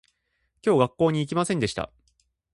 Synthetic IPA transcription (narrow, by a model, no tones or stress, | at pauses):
kʲo̞ːɡakːo̞ːɲ̟iːk̬ʲimasẽ̞nd̪e̞ɕi̥t̪a̰